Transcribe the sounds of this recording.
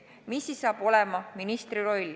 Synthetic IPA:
misːisːɑːb̥o̞lɛmɑminist̪ɾiɾo̞lʲ

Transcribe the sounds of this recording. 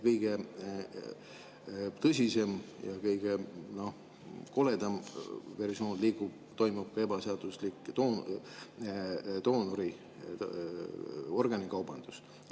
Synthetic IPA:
kɤjɡ̥e | t̪ɤs̬ʲise̞mjɑ̰kɤjɡ̥e̞no̞ | ko̞le̞d̪ɑmve̞rsio̞ːnliːɡ̥ub̥ | t̪o̞jmub̥̚kɑe̞bɑseɑd̪̥uslikˑt̪o | t̪o̞ːnoɾi | o̞rɡ̥ɑnikɑwb̥ɑnd̪̥us

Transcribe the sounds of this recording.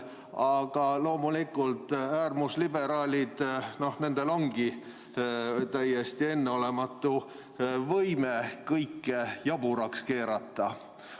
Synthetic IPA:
ɑɡ̥ɑlo̞ːmulikːˑult̪æːrmuslibe̞ɾɑːlʲid̪̥no̞hne̞nd̪̥e̞lo̞ŋɡ̥i | t̪æjːest̪ie̞nːeo̞le̞mɑt̪ːu | vɤjmekɤjkːejɑbuɾɑkske̞ːɾɑt̪ːˑɑ

